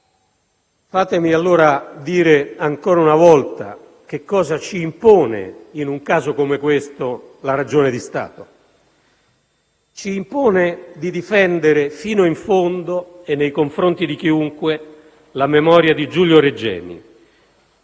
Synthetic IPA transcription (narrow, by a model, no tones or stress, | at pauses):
faːt̪emialːoːɾad̪iːɾeaŋkɔːɾaunavɔlt̪a̰ | k̟ekːɔːzat͡ʃiːmpɔːnḛinuŋkaːzokomekwest̪olaɾad͡ʒoːnɪd̪ist̪a̰ːt̪o | t͡ʃiːmpɔːned̪id̪ifɛnd̪eɾefiːnoiɱfond̪oenːejkoɱfɾont̪id̪ik̟iuŋkwe | lamemɔːɾjad̪id͡ʒuljoɾed͡ʒɛ̰ːmḭ